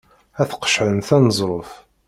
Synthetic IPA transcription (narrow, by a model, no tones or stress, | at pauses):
æθqə̥ʃʕənθænəzˤɾˤof